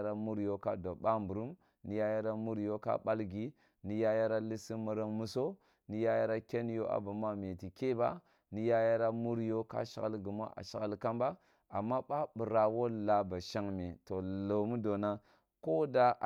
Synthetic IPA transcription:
ɾa˨mu˦ɾjo˦ka˦do˨ɓa˦mbu˨ɾu˦m | ni˨˦ja˦ja˦ɾa˦mu˦ɾjo˦ka̰˦ɓa˦lɡi˦ | ni˨ja˦ja˦ɾa˦li˦si˦mu˨ɾa˦ŋmu˦so˦ | ni˨ja˦ja˦ɾa˦kʲe˦n˦jo˦ʔa̰˨ba˨m˦a˦me˨ti˨ke˦ba̰˦ | ni˨ja˦ja˦ɾa˦mu˦ɾjo˦ka̰˦ʃa̰˨ɣa̰˦lɡi˨m˦a̰˦ʔa̰˨ʃa˨ɣa˦˨lka˦mba˦ | a˨mːa˦ɓa˦bu˨ɾa˨wo˦la˦ba˨ʃa˦ŋmi˨to˨lo˨mu˦do˨na˦ | ko˦da˦ʔ

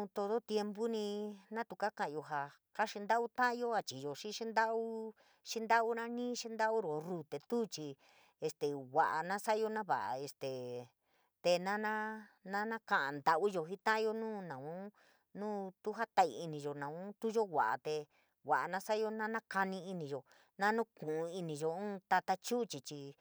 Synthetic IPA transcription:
ũ˧t̪o˧t̪o˦t̪je˧mbu˦nĩ˧nã˦t̪u˧ka˦kã˧ʔã˨˧jo˧ɦa˧ | ka˦ʃi˧nd̪a˦ʔu˦t̪ã˦ʔjo˦a˧t͡ʃi˨jo˨ʃi˦ʃi˦nd̪a˦u˦ | ʂi˦nd̪a˦u˦nã˦nĩː˦ʃi˦nd̪a˦u˦ɾo˨ru˨t̪e˨t̪uː˦t͡ʃi˧ | e˧st̪e˨wʷa˨ʔa̰˨nã˦sa˦jo˦nã˦βa̰˨ʔa̰˨e˧st̪e˨ | t̪e˧nã˦nã˦nã˦nã˦kã˧˨ʔã˨nd̪a˨ʔu˦jo˧ɦi˦t̪ã˦ʔjo˧nũː˦nã˨ũ˦ | nũː˦t̪u˦ɦa˦t̪a˧ḭ˧i˧nĩ˧ʒo˨nã˨ũ˦t̪u˦ʒo˦wʷa̰˨ʔa̰˨t̪e˧ | wʷa˨ʔa˨nã˦sa˦jo˧˦nã˦nã˦ka˧nĩ˧i˧nĩ˧˨ʒo˨ | nã˦nũ˦kũ˨ũ˧i˧nĩ˧ʒo˧ũ˦t̪a˧t̪a˧t͡ʃu˦t͡ʃi˧t͡ʃi˧

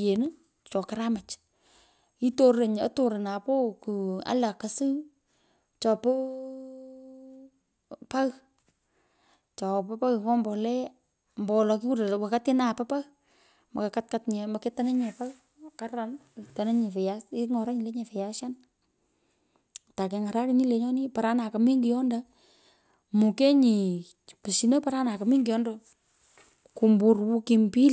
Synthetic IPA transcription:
je˨nɨ˦ | t͡ʃɔ˨ka˨ɾama˨t͡ʃ | i˦to˦e˨ɲa̰˦to˨ɾe˨na˨po˦ku˨a̰˨˦la˨ka˨sɨ˦ | t͡ʃɔ˨pɔ˦ | pa˦ɣ | t͡ʃɔ˨pɔ˦pa˦ɣkɔ˦mbɔ˨lɛ˦ | mbɔ˨lɔ˨ki˦u˦ɾwa˨ka˦tɪ˦na˨pa˦pa˦ɣ | ma˨ka˨ka˦t̚katɲɛ˨ma˨ke˦ta˦nɛ˦ɲɛ˨pa˦ | ka˦ɾa˨mta˨ne˦ɲi˨fɛ˨jai˦ŋɔ˨ɾa˦ɲi˨le˦ɲe˨fɛ˨ja˦ʃja˦n | ta˨ke˨ŋa˨ɾa˦ɾi˨ni˦le˨ɲɔ˦ni˦pa˨ɾa˦na˨ka˨mi˦ŋɡi˨jɔ˦nda˨ | mu˨ke˦ɲi˨ | pɨ˨si˨no˦paɾa˦na˨ka˨mi˦ŋɡi˨jɔ˦ndo | ku˨mbu˨rwu˦ki˨mpi˦l

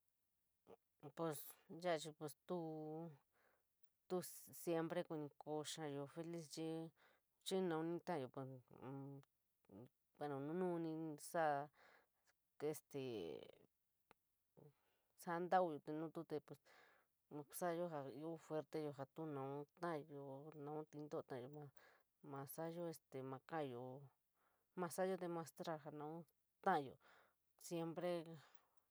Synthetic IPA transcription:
pe˧sja˦˧t͡ʃi˧pe˧st̪u˧˦ | t̪u˧sje˧mpɾe˧ku˧nĩ˧ko˧ʂa˧jo˧fe˧li˦st͡ʃi˧ | t͡ʃi˦nã˧˨ũ˧nĩ˧˦t̪ã˦˨jo˨pe˨s | ka˧nã˨˧nũ˦nũ˦˧nĩ˧sa˦˧ | e˧st̪e˨ | sa˦nd̪a˦u˧jo˧t̪e˧nũː˦t̪u˦t̪e˧pwe˨s | sa˦˧jo˦ɦa˧i˧o˦fwe˧ɾt̪e˧jo˧ɦa˧t̪u˦nã˨ũ˦t̪ã˦˧jo˧nã˧ũ˦t̪i˧nd̪o˦˧ã˦ã˨o˧mã˧ | mã˧sa˦jo˦e˧st̪e˨mã˧kã˦ʔjo˧ | mã˧sa˦jo˧˦d̪e˧mã˧st̪ɾa˧ɦa˧nã˧ũ˦ | t̪ã˦ʔã˧jo̰˧˨ | sje˧mpɾe˦

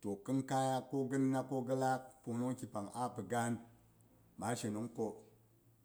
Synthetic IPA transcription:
to˨kə˦nka˦ja˦ko˦ɡə˦nː˦a˦ko˦ɡə˦la˦k̚pu˨nu˦ŋki˨pa˨ŋa˦pə˨ɡa˦n | ma˨˦ʃe˨nu˦ŋko˦

